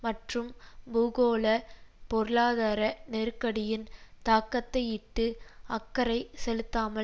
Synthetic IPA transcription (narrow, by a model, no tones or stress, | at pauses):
mɐʈrɯmbuːɣoːlɐpɔɾɯlaːðaːɾɐnɛɾkːɐɽɪjɪnt̪aːkːɐt̪ːɐɪɪʈːɯɐkːɐɾɐɪsɛlɯt̪ːaːmɐ